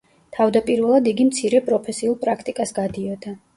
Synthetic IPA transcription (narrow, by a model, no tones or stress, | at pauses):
t̪ʰavd̪apʼiɾvɛlˠad̪iɡimt̪sʰiɾɛpʼɾɔpʰɛsiulˠpʼɾakʰt̪ʼikʼasɡad̪iɔd̪a